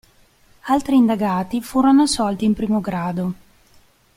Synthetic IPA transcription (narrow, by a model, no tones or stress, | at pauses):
alt̪ɾiːnd̪aɡaːt̪ifuːɾonosɔlt̪iːmpɾiːmoɡɾaːd̪o